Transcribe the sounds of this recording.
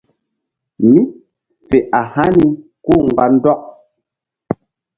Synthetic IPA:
mi˦ | fe˨ʔa˨ha˦ni˦ | ko˦ŋ̩˨ɡa˨n̩˦dɔ˦k̚

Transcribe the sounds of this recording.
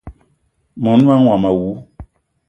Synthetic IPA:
mɔ̃˨nu˦ã˦ŋ˦wa˨ma˨wu˨˦

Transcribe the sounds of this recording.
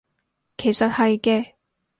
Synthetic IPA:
kʰe˨˩jsɐ˨t̚hɐ˨jkɛː˧

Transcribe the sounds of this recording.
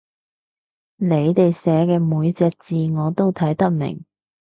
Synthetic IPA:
ne˨˧jt̪e˨jsɛː˨˥kɛː˧muː˨˧jt͡sɛː˧k̚t͡siː˨ŋɔː˨˧t̪o˥wt̪ʰɐ˨˥jt̪ɐ˥k̚mɪ̰˨˩ŋ

